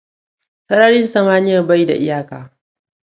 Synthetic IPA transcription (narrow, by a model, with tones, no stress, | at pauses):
sɐ˦ɽɐ˦ɽɪ˦nsɐ˦maː˦nɪ˦jɐ˨rba˦jda̰˨ʔɪ˦jaː˦kaː˨